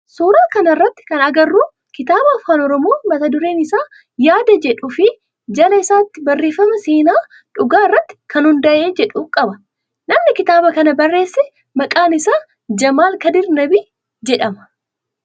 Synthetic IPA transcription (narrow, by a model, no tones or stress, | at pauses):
suːɾaːkɐnɪrːɐt̪ːɪ̥kɐnɐɡɐrːuː | kɪt̪aːbɐɐfaːnɔɾɔmo̞ːmɐt̪ɐd̪ʊɾeːnɪsaː | jaːd̪ɐd͡ʒɛᶑʊfɪ | d͡ʒɐlɐɪsaːt̪ːɪbɐrːe̞ːfːɐmɐseːnaː | ᶑʊɡaːɪrːɐt̪ːɪ̥kʰɐnhʊnd̪ɐʔe̞ːd͡ʒɛᶑuːkʼɐbɐ̥ | nɐmnɪkɪt̪aːbɐkɐnɐbɐrːe̞ːsːɛ | mɐkʼaːnɪsaː | d͡ʒɐmaːlkɐd̪ɪɾnɐbiː | d͡ʒɛᶑɐmɐ̥